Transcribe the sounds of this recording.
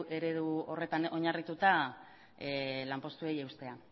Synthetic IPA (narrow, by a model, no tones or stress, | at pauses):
ʔe̞ɾe̞ðuo̞re̞t̪ano̞ɲarit̪ut̪a | lampo̞st̪ue̞je̞wst̪e̞a